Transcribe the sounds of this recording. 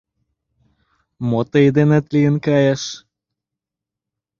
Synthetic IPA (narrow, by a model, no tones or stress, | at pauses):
mot̪əjd̪enət̪lijənkɑjɑʃ